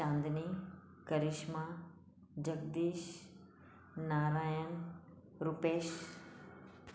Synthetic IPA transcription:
ãːnd̪ni | kəɾɪʃma | d͡ʒəɡd̪iːʃ | naːɾaːjən | ɾupeːʃ

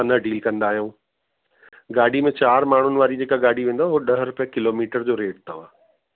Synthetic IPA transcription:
anɐɖʱiːlkɐ̃nd̪aːɦijũː | ɡaːɖ̤ʱimẽt͡ɕaːɾmaːɳ̤ʊnɪ̆ʋaːɾid͡ʑeːkaɡaːɽ̤ʱiʋẽːnd̪aɦoɗɐɦɾʊpijə̃kɪloːmiːʈəɾd͡ʑoːɾeːʈ̚t̪ɐʋ̤ãː

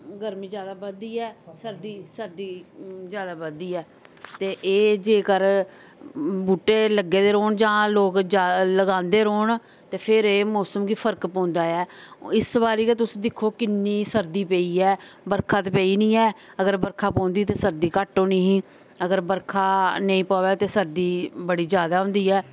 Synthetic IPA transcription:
ɡəɾmĩːd͡ʒjaːd̪aːbəd̪iːɛːsəɾd̪iːsəɾd̪iːzjaːd̪aːbəd̪iːɛː | t̪eːʔeːd͡ʒeːkəɾ | buːʈːeːləɡeːd̪eːɾoːɳd͡ʒãːloːkd͡ʒaːləɡãːnd̪eːɾoːɳ | t̪eːpʰɪɾeːmɔːsəmɡiːpʰəɾkpɔ̃ːnd̪aːɛːɪsbaːɾiːket̪ʊsĩːd̪ɪkʰːoːkɪnːiːsəɾd̪iːpeːiːɛːbəɾkʰaːt̪ːpeːiːnĩːɛː | əɡəɾbəɾkʰaːpɔ̃ːnd̪iːt̪eːsəɾd̪iːkəʈõːniːɦĩː | əɡəɾbəɾkʰaːnəĩːpaːʋɛːt̪eːsəɾd̪iːbəɽiːd͡ʒjaːd̪aːɦʊ̃nd̪iːɛː

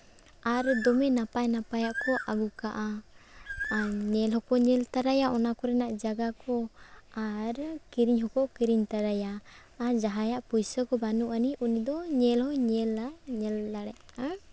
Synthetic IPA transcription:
aɾd̪ɔmɛnapajnapajaʔkɔʔaɡukaʔa | ɲɛlɦhɔkɔɲɛlt̪aɾajaʔɔnakɔɾɛnaʔd͡ʒaɡakɔaɾkiɾiɲɦɔkɔkiɾiɲt̪aɾajaː | ɾd͡ʒaɦajaʔpujsəkɔbanuʔaniʔunid̪ɔɲɛlhɔɲɛlaɲɛlːaɽɛʔa

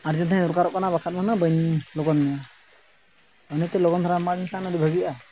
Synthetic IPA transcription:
aɾd͡ʒɛnt̪ʰajuɾkaɾɔʔkanaβakʰat̪̚manabənlɔɡɔnmɛja | ɔnɛt̪ɛlɔɡɔnt̪ʰaɾamadinsʰanadibʱəɡijʔa

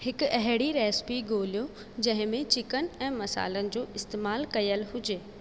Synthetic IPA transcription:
hɪkʊɐɦɪɽiɾɛːspiɡoːlijo | d͡ʑɐ̃ɦɪ̃mẽt͡ɕɪkənɪ̆ɛ̃ːmɐsa̰ːlənɪ̆d͡ʑoːʔɪst̪eːmaːlkɐijəlɦʊd͡ʑeː

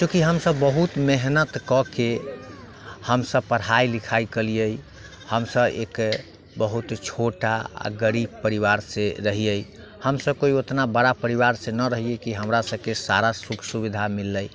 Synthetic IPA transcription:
t͡ʃũkiɦəmsəbːəɦut̪meɦnət̪kɔke | həmsəb̚pəɽɦajlikʰajkəlijəj | həmsəbḛk | bəɦut̪t͡ʃʰoʈaa̰ɡəɾib̚pəɾiʋaɾsẽɾəɦijəj | həmsəb̚koiot̪nabəɽapəɾiʋaɾsẽnəɾəɦijekiɦəmɾasəbkesaɾasukʰsubid̪ʱamilːəj

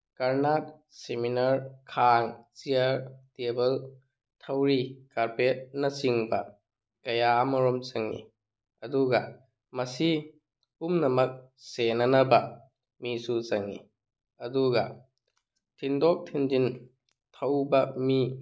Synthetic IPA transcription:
kɐɾnat̚ | seminɐɾkʰaŋt͡ʃiɐɾtebɐl | tʰɐwɾikaɾpet̚nɐsiŋbɐ | kɐjamɐɾɔmt͡ʃɐŋːḭ | ɐduɡɐ | mɐsi | umnɐmɐk̚senɐnɐbɐ | misut͡ʃɐŋːḭ | ɐduɡɐ̰ | tʰindɔk̚tʰindin | tʰɐwbɐmi

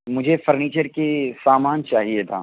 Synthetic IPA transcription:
mʊd͡ʒʱefɐɾniːt͡ʃəɾkesaːmaːnt͡ʃaːɦiet̪ʰaː

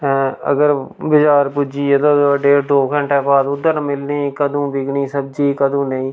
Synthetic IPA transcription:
ə̰ɡəɾbɪt͡ʃaːɾpʊd͡ʒiːeːt̪oːɖeːɾd̪oːkʰəɳʈɛːbaːd̪ʊd̪əɾnmɪlniːkəd̪ũːbɪɡniːsəb̚d͡ʒiːkəd̪õːnəĩː

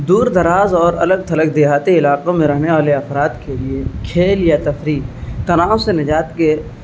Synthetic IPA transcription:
d̪uːɾd̪ɐɾaːzɔːɾɐləɡ̚t̪ʰɐlək̚d̪eːɦaːt̪iɪlaːqõmẽɾɐɦneʋaːleɐfɾaːt̪keliekʰeːljat̪ɐfɾiːkt̪ɐnaːõsenɪd͡ʒaːt̪ke

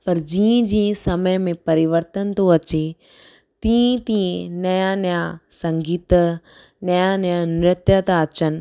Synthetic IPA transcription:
pɐɾd͡ʑĩːə̃d͡ʑĩːsɐməjmẽpɐɾɪʋəɾt̪ənt̪oɐt͡ɕe | t̪ĩːt̪ĩnɐjanjãsɐ̃ŋɡiːt̪ | nɐjanjãnɾɪt̪jət̪aɐt͡ɕənɪ̆

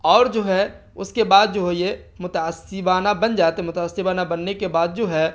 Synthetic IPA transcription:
ɔːɾd͡ʒoːɦɛ | ʊskebaːd̪̚d͡ʒoːɦɛjemʊt̪aːsɪbaːnabənd͡ʒaːt̪eɦɛmʊt̪aːsɪbaːnabɐnːekebaːd̪̚d͡ʒoːɦɛ

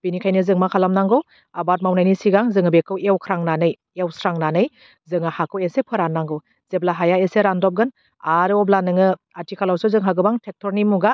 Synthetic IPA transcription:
b̥inikʰajnɯzɯŋmakʰalamnaŋɡɯw | abat̚mawnajnisiɡaŋzɯŋɯbekʰːɯwewkʰɾaŋnanɯj | ewsɾaŋnanɯj | zɯŋahakʰɯwesepʰɯɾanːaŋɡɯw | z̥eblaɦajaeseɾandɔp̚ɡɯn | aɾɯɔblanɯŋɯ | atikʰalawsɯzɯŋɦaɡɯbaŋtʰek̚tʰɔɾnimuɡa

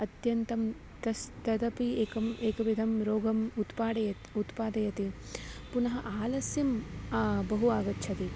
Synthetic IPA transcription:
ɐt̪jɐnt̪ɐm | t̪ɐst̪ɐd̪ɐpieːkɐmeːkɐʋid̪ʱɐmɾoːɡɐmut̪paːɽɐjɐt̪ut̪paːd̪ɐjɐt̪ipunɐɦɐʔaːlɐsjim | bɐɦuaːɡɐtːʃʰɐt̪i

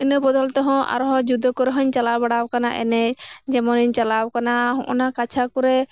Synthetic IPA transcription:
inɔbɔd̪ɔlt̪ɔɦɔ̃a̰ɾɔɦɔ̃d͡ʒud̪ɔkɔɾɛɦɔɲt͡ʃalabaɽawkanaʔɛ̰nɛd͡ʒɛmɔniɲt͡ʃalawkanaɦɔ̰̃ʔɔnakat͡ʃʰakɔɾɛ

